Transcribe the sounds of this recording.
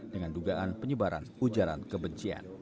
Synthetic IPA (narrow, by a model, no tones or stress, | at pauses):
dəŋanduɡaʔanpəɲəbaɾa̰nud͡ʒaɾa̰nkəbəɲt͡ʃia̰n